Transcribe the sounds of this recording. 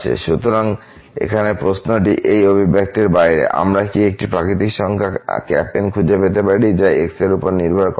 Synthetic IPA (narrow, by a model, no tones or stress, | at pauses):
ḛʃut̪oɾaŋ | ḛkʰanepɾosnoʈiʔejobʱibʱek̚t̪eɾbajɾḛʔa̰mɾakiek̚ʈipɾakɾit̪̬ikʃɔŋkʰakɛ̰penkʰud͡ʑepet̪epaɾid͡ʑaekseɾupoɾniɾbʱaɾk